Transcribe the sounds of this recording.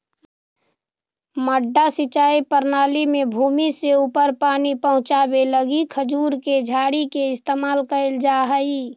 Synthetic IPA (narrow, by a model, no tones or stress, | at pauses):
məɖːasit͡ʃaːipəɾnaːlimẽbʱuːmiseuːpəɾpaːnipəɦʊ̃t͡ʃaːbeləɡikʰəd͡ʒuːɾked͡ʒʱaːɽikeɪst̪eːmaːlkəld͡ʒaːɦəi